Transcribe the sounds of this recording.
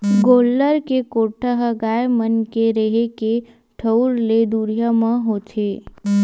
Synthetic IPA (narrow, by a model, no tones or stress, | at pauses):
ɡoːlːəɾkekoʈʰəɦəɡajmənkeɾəɦeke | ʈʰəuɾled̪uɾjəmə̃ɦot̪ʰeː